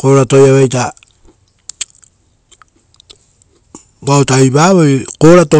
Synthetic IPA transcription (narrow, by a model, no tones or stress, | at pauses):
ko̞ɾatojaβejta | bawtaiβaːβojkoɾato